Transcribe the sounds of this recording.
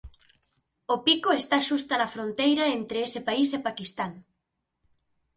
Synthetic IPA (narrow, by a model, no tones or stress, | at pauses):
opikoest̪aʃust̪anɐfɾont̪ejɾaent̪ɾeesɪpaisepakist̪aŋ